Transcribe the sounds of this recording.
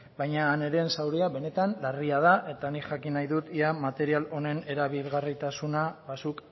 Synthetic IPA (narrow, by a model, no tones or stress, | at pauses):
bajɲaːne̞ɾe̞ːnsawɾeaβe̞ne̞t̪anlariað̞aʔe̞t̪anikʝakinajðut̪iamat̪e̞ɾialo̞ne̞ne̞ɾaβilɣarit̪asunaβasuk